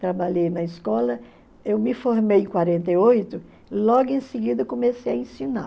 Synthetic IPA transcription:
t̪ɾabaʎejnɐɪskɔlɐ | ewmɪfoɾmejẽkwaɾẽnt̪ejojt̪ʊ | lɔɡʊẽsɪɡid̪ɐkõmesejɐẽsĩna̰

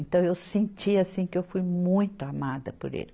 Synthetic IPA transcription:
ẽnt̪ɐ̃w̃ewsẽnt͡ʃiasĩkɪewfujmũj̃t̪ʊamad̪ɐpo̰ɾḛlɪ

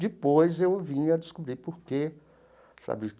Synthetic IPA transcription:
d͡ʒɪpojzewvĩɐd̪ɪskubɾipoɾke | sa̰bɪ

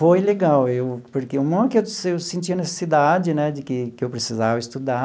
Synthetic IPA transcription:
fojleɡawewpoɾkeumɐ̃kɪewsewsẽt͡ʃiɐnese̥sid̪ad͡ʒɪnɛd͡ʒɪkɪkɪewpɾesizavɐist̪ud̪a

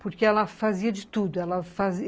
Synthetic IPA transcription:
poɾkeɛlɐfaziɐd͡ʒɪt̪ud̪ʊɛlɐfazi

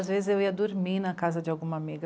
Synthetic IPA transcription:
zvezɪzewiɐd̪oɾminɐkazɐd͡ʒɪawɡũmɐamiɡɐ

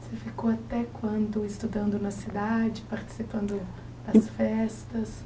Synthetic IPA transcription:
sefikoat̪ɛkwɐ̃nd̪ʊɪst̪ud̪ɐ̃nd̪ʊnɐsid̪ad͡ʒɪpaɾt͡ʃi̥sipɐ̃nd̪ʊ | d̪ɐsfɛst̪ɐs

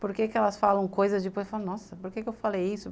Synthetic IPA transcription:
poɾkekɪɛlɐsfalɐ̃w̃kojzɐzd͡ʒɪpojzewfalɐ̃nɔsɐpoɾkekɪewfalejisʊ

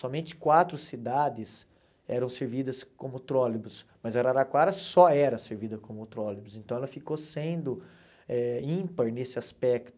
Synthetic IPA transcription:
sɔmẽnt͡ʃɪ̥kwat̪ɾʊsid̪ad̪ɪs | ɛ̰ɾɐ̃w̃seɾvid̪ɐskõmʊt̪ɾɔlibʊsmɐzɐɾaɾakwaɾɐsɔɛɾɐseɾvid̪ɐkõmʊt̪ɾɔlibʊsẽnt̪ɐ̃w̃ɛlɐfikosẽnd̪ʊ | ɛĩpɐɾnesɪaspɛkt̪ʊ

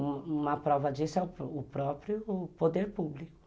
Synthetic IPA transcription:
ũmɐpɾɔvɐd͡ʒisɛʊːpɾɔpɾjʊpod̪eɾpublikʊ̥

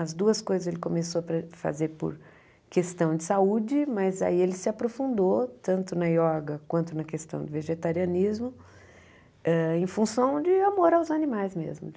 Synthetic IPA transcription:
ɐzd̪uɐskojzɐzelɪkõmesopɾɐfa̰zeɾpʊ̰ɾ | kest̪ɐ̃w̃d͡ʒɪsaud͡ʒɪmɐza̰ielɪsɪapɾofũnd̪ot̪ɐ̃nt̪ʊnɐjɔɡɐkwɐ̃nt̪ʊnɐkest̪ɐ̃w̃d̪ʊveʒet̪aɾiɐnizmʊ | ɛẽj̃fũsɐ̃w̃d͡ʒɪamoɾawzanĩmajzmḛzmʊ

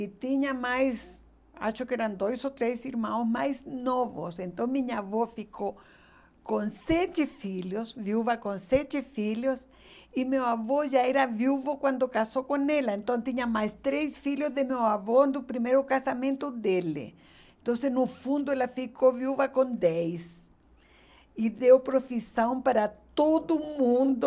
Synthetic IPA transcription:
it̪iɲamajs | a̰ʃokeɾãnd̪ojsot̪ɾesiɾmãwsmajsnovo̰sẽnt̪õŋmĩɲaaβofiko | kõnset͡ʃefiʎjosvjuβakõnset͡ʃefiʎjos | imewaβoʒaeɾavjuvokwãnd̪okasokonelaẽnt̪õnt̪iɲɐmajst̪ɾesfiʎozd̪emewavond̪ʊpɾimejɾʊkasamẽnt̪ʊd̪elɪ̰ | ẽnt̪õnsenʊfũnd̪ʊelafikovjuvɐkõnd̪ɛjs | iðewpɾofisãw̃paɾat̪od̪ʊmũnd̪ʊ

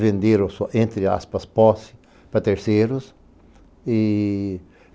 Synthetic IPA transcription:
vẽnd̪eɾosoʔẽnt̪ɾɪa̰spɐspɔsɪ̥ | pɾɐt̪eɾseɾʊs | i

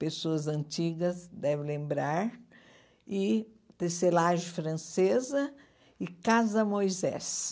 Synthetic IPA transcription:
pesoɐzɐ̃nt͡ʃiɡɐsd̪ɛvɪlẽmbɾaɾ | ɪ | t̪eselaʒɪfɾɐ̃sezɐ | ɪkazɐmojzɛ̰s

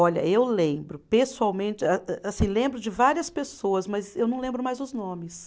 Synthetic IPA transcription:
ɔʎɐ̰ewlẽbɾʊpesuawmẽt͡ʃɪaɛasĩlẽmbɾʊd͡ʒɪvaɾiɐspesoɐzmɐzewnɐ̃w̃lẽbɾʊmajzd̪ʊznõmɪs

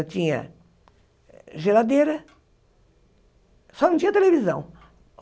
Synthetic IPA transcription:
ɐt̪ĩɲɐ̰ | ʒelad̪eɾɐ | sɔnɐ̃t̪iɲ̃ɐt̪elevizɐ̰̃w̃

